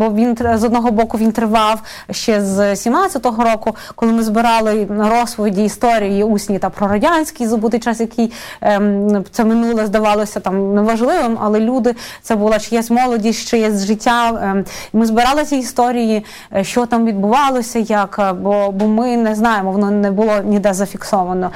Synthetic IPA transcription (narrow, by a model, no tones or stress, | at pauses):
bɔʋʲint̪zɔd̪nɔɦɔbɔkʊʋʲint̪ɾɪʋɑw | ʃt͡ʃɛzsʲimnɑtt͡sʲɐt̪ɔɦɔɾɔkʊkɔlˠɪmɪzbɪɾɑlˠɪɾɔspɔʋʲidʲiːst̪ɔɾʲijiusʲnʲit̪ɑpɾɔɾɐdʲanʲsʲkʲijzɐbut̪ɪjt͡ʃɑsjɐkɪj | t̪sɛmɪnulˠɛzd̪ɐʋɑlˠɔsʲɐt̪ɑmnɛʋɐʒlˠɪʋɪmɐlˠɛlʲud̪ɪt̪sɛbʊlˠat͡ʃɪjɛsʲmɔlˠɔdʲisʲʃt͡ʃɪjɛzʲʒɪtʲːa | mɪzbɪɾɑlˠɪsʲɛist̪ɔɾʲiji | ʃt͡ʃɔt̪ɑmʋʲid̪̚bʊʋɑlˠɔsʲɐjɐkbɔbɔmɪnɛznɑjemɔʋɔnɔnɛbʊlˠɔnʲɪd̪ɛzɐfʲiksɔʋɐnɔ